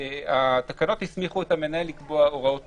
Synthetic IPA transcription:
at̪akano̞t̪hismiχuetamenaelikboaoʁao̞t

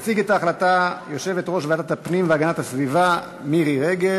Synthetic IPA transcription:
siɡet̪aːχlatajo̞ʃe̞vetʁo̞ʃveatatapnimveaɡanatasviva | miʁiʁe̞ɡe̞

